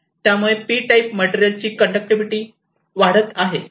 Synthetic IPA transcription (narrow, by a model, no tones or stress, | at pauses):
t̪jamuɭepiːʈaipmeʈeɾjəlt͡ɕiːkəɳɖək̚ʈiʋiʈiː | ʋaɽət̪aɦe